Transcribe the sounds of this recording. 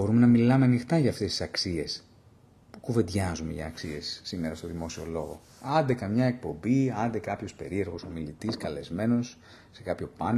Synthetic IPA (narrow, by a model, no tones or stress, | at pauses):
bo̞ɾumenɐmilɐmeɐnixt̪ɐʝɐːft̪e̞st̪isɐksie̞s | pu̥kuve̞d̪ʝɐzume̞ʝɐ̰ːksie̞sːime̞ɾɐst̪o̞ðimo̞sio̞̰lo̞ɣo̞̰ | ɐnd̪e̞kɐmɲɐe̞k̚po̞mbiɐnd̪e̞kɐpço̞spe̞̰ɾie̞ɾɣo̞so̞milit̪iskɐle̞zme̞no̞s | se̞kɐpço̞pɐn